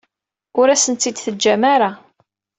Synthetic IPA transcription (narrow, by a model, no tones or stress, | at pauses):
ʊɾæsənt̪ːid̪θəd͡ʒːæmaɾa